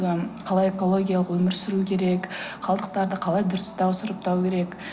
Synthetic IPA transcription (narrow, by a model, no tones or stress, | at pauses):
əqʰɑlˠɑje̞ko̞lˠo̞ɡʲijalˠəqwɵmɪɾsʏɾukʲʰe̞ɾe̞kχɑlˠd̪əq̚t̪ɑɾd̪əqʰɑlˠɑjd̪ʊɾɪst̪ʰɑwsəɾəp̚t̪ʰɑwkʲʰe̞ɾe̞k